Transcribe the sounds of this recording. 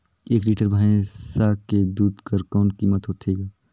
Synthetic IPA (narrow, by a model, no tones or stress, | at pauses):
eːkliːʈəɾbʱaːẽsaːked̪uːd̪kəɾkɔːnkiːmət̪ɦoːt̪ʰeːɡaː